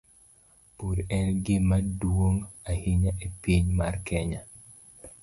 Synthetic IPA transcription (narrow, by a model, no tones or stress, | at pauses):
pudɛnɡɪmadwoŋahiɲaʔepiɲmarkʰɛɲa